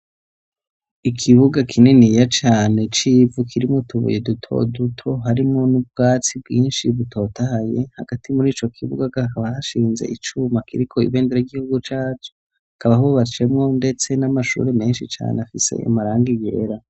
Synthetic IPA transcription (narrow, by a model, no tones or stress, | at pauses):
ikʰiβuɡakʰinenijat͡ʃaːne̞t͡ʃivukʰiɾimŋotʰuβṵjedutʰo̞̰dutʰo̞ɦaɾimŋo̞nub̚ɡaːt͡sibɡiːnʃiβutʰo̞ːtahaje̞haɡ̥atʰimuɾiːt͡ʃo̞kʰiβṵɡaɡahkaβahaʃiːnze̞̰ʔit͡ʃumakiɾikʰo̞ḭβeːndeɾaiɡihuɡut͡ʃaːt͡ʃo | hakaβaɦuβat͡ʃe̞mŋo̞nde̞t͡se̞namaʃṵɾe̞me̞ːnʃit͡ʃa̰ːneafise̞̰ḭmaɾaːŋɡije̞̰ːɾa